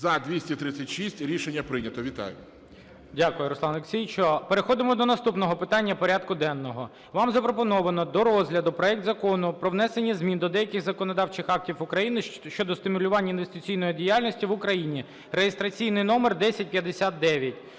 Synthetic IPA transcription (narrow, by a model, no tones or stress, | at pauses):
zɐd̪ʲʋʲisʲtʲit̪ɾɪt͡sʲːɐtʲʃisʲtʲɾʲiʃenʲːɐpɾɪnʲɐt̪ɔʋʲit̪ɑ̰jʊ | dʲakʊjʊɾɔslˠɑneksʲijt͡ʃɔpeɾexɔd̪ɪmɔd̪ɔnɐst̪upnɔɦɔpɪt̪ɑnʲːɐpɔɾʲad̪̚kʊd̪ɛnːɔɦɔ | ʋɑmzɐpɾɔpɔnɔʋɐnɔd̪ɔɾɔzɦlʲɐd̪ʊpɾɔɛk̚t̪zɐkɔnʊpɾɔwnɛsenʲːɐzmʲind̪ɔd̪ɛjɐkɪxzɐkɔnɔd̪ɑwt͡ʃɪxɑk̚tʲifʊkɾɐjinɪʃt͡ʃɔd̪ɔst̪ɪmʊlʲʊʋɑnʲːɐinʋest̪ɪt͡sʲijn̪ɔjidʲijalʲnʲɔsʲtʲiʋʊkɾɐjinʲi | rejest̪ɾɐt͡sʲijnɪjnɔmerd̪ɛsʲɐt̚ʲpʲjɐd̪esʲat̪̚d̪ɛʋʲjɐtʲ